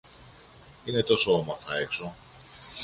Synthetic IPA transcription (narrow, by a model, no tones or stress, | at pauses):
ine̞t̪o̞soomɐfɐe̞kso̞